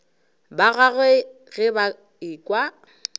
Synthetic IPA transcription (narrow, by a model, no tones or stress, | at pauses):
baɣaɣwɛ | ɣɪba | iːkʼwa